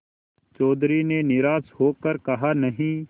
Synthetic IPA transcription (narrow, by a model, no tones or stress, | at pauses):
t͡ʃɔːd̪ɾiːneːnɪɾaːshoːkəɾkəɦaːnəɦĩː